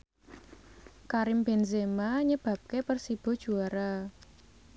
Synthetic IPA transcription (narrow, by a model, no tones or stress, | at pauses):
kaɾɪmb̥enzemaɲəb̥a̤p̚kepərsib̥ɔ̤d̥ʒ̥uaɾa